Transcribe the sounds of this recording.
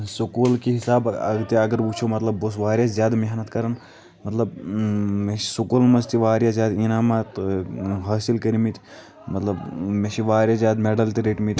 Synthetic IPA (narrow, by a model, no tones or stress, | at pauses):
sukuːlkiɦɪsaːbɐ̰ɡt̪iɐɡɐɾbut͡ʃʰoːmɐt̪lɐbːus̬ʋaːɾjazʲjaːd̪meɦnɐt̪kɐɾɐn | mɐt̪lɐbmeʃisukulmɐst̪iʋaːɾjazʲjaːd̪inaːmat̪ɦaːsilkɐɾimit̪ʲ | mɐt̪lɐbmeʃiʋaːɾjazjaːd̪meɖɐlt̪iɾeːʈmit̪ʲ